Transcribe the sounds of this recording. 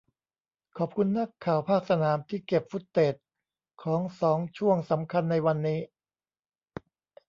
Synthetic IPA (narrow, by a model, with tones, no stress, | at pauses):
kʰɔː˨˩p̚kʰu˧nːa˦˥˩kʰːaː˨˩wpʰaː˥˩k̚sa˧naː˩˦mt̪ʰiː˥˩ke˨˩p̚fu˦˥t̪ːeː˨˩t̪̚ | kʰɔː˩˦ŋsɔː˩˦ŋt͡ɕʰu˥˩əŋsa˩˦mkʰa˧nːa˧jwa˧nːiː˦˥